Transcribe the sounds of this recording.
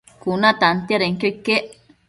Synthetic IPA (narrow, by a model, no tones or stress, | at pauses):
kunat̪ant̪jaɾeŋkojkeʔ